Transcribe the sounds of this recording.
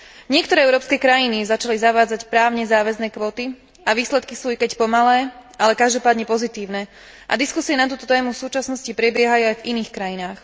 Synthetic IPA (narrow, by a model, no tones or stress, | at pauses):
ɲɪɛkt̪ɔɾɛːɛʊɾɔːpskɛːkɾajinizat͡ʃalizaʋaːd͡zacpɾaːʊɲɛzaːʋɛznɛːkʋɔːt̪i | ʔaʋiːslɛt̪kisuːikɛcpɔmalɛːʔalɛkaʒd̪ɔpaːd̪ɲɛpɔzit̪iːʊnɛ | ʔa̰d̪iskusiɛnat̪uːt̪ɔt̪ɛːmufsuːt͡ʃasnɔscipɾɛbɪɛɦajuajviniːxkɾajinaːx